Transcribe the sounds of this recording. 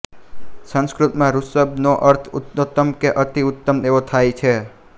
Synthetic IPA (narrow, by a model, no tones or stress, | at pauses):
sə̃ŋskɾut̪mãɾusəbnoʔəɾt̪ʰut̪not̪ːəmkeʔət̪iʊt̪ːəmeʋot̪ʰajt͡ʃʰe